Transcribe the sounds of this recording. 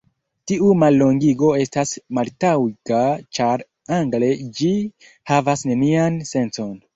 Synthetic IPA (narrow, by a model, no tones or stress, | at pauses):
tiumalːo̞ŋɡiɡo̞e̞stasmaltawikat͡ʃaɾ | aŋɡle̞d͡ʒi | havasne̞nianse̞nso̞n